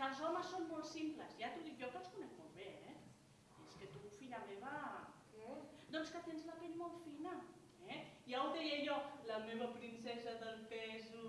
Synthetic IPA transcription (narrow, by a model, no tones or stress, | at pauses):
əlˠzɔməsːonmɔlˠt̪simpləzjat̪uðikjɔkəskunɛk̚molβeɛ | ieskət̪ufiʎameβə | d̪ɔnskət̪enzlɐpenmolˠt̪finə | ɛiauðɛjəjɔlɐmeβɐpɾinsɛzɐðəlpɛzu